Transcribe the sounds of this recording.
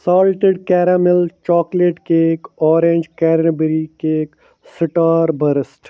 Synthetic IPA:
saːlʈɪɖkɛːɾamɪlt͡ʃɔːkleːʈkeeːkɔːɾẽːnd͡ʒkɛːɾnəbɾikeːk | sɪʈaːɾbəɾəsʈ

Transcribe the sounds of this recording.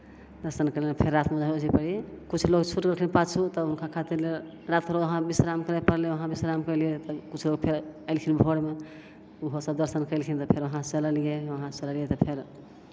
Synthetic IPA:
d̪əɾsənkəɾleepʰeɾːat̪ʰmed͡ʒaɦod͡ʒʱipəɽikut͡ʃʰloɡt͡ʃʰuʈkəkʰlinpat͡ʃʰut̪əunkʰakʰat̪iɾle | ɾat̪̚kəɾoəɦãbisɾamkəɾɛpəɾleʋəɦãbisɾamkəliet̪əkut͡ʃʰloɡpʰeɾəlkʰinbʱoɽme | uɦosəb̚d̪əɾsənkəlkʰint̪ɔpʰeɾʋəɦãt͡ʃələlijeəɦãt͡ʃələlijet̪ɔpʰeɾ

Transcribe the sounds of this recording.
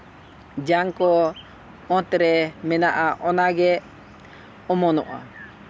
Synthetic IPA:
d͡ʒaŋkɔ | ɔ̃t̪ɾɛmɛnaʔaʔɔnaɡɛ | ɔmɔnɔ̰ʔa̰

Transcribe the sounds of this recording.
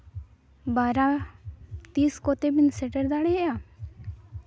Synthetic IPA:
baːɾa | t̪iːskot̪ebinsɛʈəɾd̪aɽeɦeja

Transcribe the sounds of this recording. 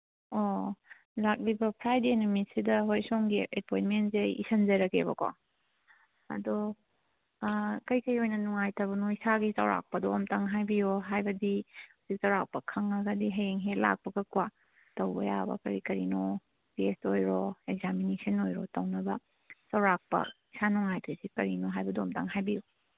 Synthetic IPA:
o | lak̚libɐpʰɾajdenomisidɐɦojsoŋɡiepʰojnmentseḭsɐnzɐɾɐkʰeβɐ̰kwa̰ | ɐ̰do | kɐjkɐjojnɐnuŋajtɐbɐnoisaɡizɐ̰wɾa̰k̚pɐdoːmtɐŋɦajbijoɦajbɐdihuzik̚zɐwɾak̚pɐkʰɐŋɐɡɐdiɦɐjeŋɦela̰k̚pɐɡɐkwa | tɐwbɐ̰jabɐ̰kɐɾikɐɾino | pestojɾɔekzaminesɐnojɾɔtɐwnɐbɐ | t͡ʃɐwɾak̚pɐ̰isanuŋajtʰesikɐɾinoɦajbɐdomta̰ŋɦajbijo

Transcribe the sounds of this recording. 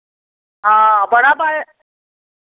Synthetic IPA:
ɦaːbəɽaːbaːɦe

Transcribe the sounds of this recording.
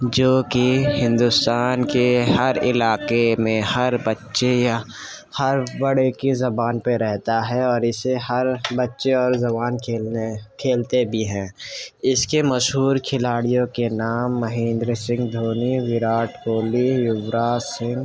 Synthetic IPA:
d͡ʒoːkihɪ̃nd̪ʊst̪aːnkeɦɐɾɪlaːkemẽhɐɾbɐtːʃeja | hɐɾbɐɽekezɐbaːnpeɾɛɦt̪aɦɛɔːɾɪseɦɐɾbɐtːʃeɔːɾzɐbaːnkʰeːkʰeːlt̪ebʱiɦɛ̃ːɪskemɐʃɦuːɾkʰɪlaːɽijõkenaːmːɐɦĩːnd̪ɾsɪ̃ŋɡd̪ʱoːniʋɪɾaːʈkoːlijʊbɾaːsɪ̃ŋɡ

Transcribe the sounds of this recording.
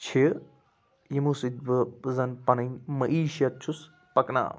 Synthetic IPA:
t͡ʃʰi | jimusit̪̚bɨzɐnpɐnɐnʲmɐʔiːʃɐt̪̚t͡ʃʰus | pɐkna̰ː

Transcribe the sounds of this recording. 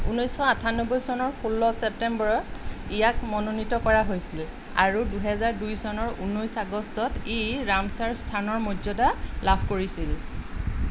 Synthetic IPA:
unojsxɔatʰanɔbɔjsɔnɔɹxulːɔsɛp̚tɛmbɔɹɔtijakmɔnonitɔkɔɹaɦojsil | a̰ɹuduɦɛzaɹdujsɔnɔɹunojsaɡɔstɔtiɹamsaɹstʰanɔɹmɔzɔdalabʰʱkoɹisil

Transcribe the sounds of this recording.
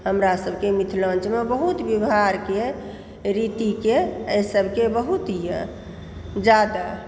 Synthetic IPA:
ɦəmɾasəbʱkemit̪ʰlə̃nt͡ʃmebəɦut̪bibaɾke | ɾit̪ikeəjsəbʱkebəɦut̪ijə̰̃ | d͡ʒad̪a

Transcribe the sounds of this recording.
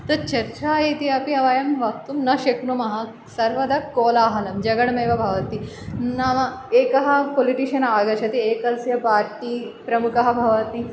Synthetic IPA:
t̪ɐɾt͡ʃɐɾt͡ʃaːjit̪iɐpiɐʋaːjɐmʋɐk̚t̪umnɐʃeknomɐɦɐ | sɐɾʋɐd̪ɐkoːlaːɦɐnɐmd͡ʒɐɡɐɽmɐjʋɐbʱɐʋɐt̪i | naʋɐeːkɐɦɐpoliʈiʃɐnaːɡɐt͡ʃʰɐt̪ieːkɐlsjɐpaːɾʈiːpɾɐmukɐɦɐbʱɐʋɐt̪i

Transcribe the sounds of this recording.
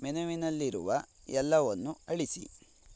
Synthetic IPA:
mɛnɐʋinɐlːiɾṵʋɐɛlːɐʋonːuɐɭisḭ

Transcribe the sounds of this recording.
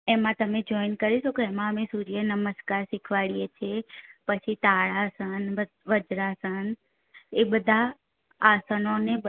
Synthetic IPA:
emãt̪əmed͡ʒoinkəɾiʃokeemãəmesuɾijenəməskaɾsikʰʋaɭijet͡ʃʰepət͡ʃʰit̪aɭasənʋə | ʋəd͡ʒɾasən | ebəd̪ʱaː | sənone

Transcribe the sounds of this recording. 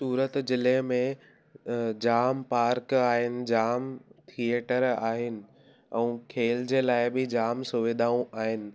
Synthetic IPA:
suːɾət̪zɪlemẽ | d͡ʑaːmpaːɾkaːɦɪnɪ̆d͡ʑaːmt̪ʰieːʈəɾaːɦɪnɪ̆ | ɛ̃ːkʰeːld͡ʑeːlaːɪbɪd͡ʑaːmsʊʋɪd̪ʱaːũʔaːɦɪnɪ̆

